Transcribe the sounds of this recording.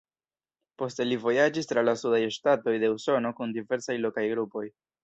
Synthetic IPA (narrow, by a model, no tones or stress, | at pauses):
po̞stelivo̞jad͡ʒist̪ɾalasudajʃtato̞jde̞uso̞no̞kundive̞ɾsajlo̞kajɡɾupo̞j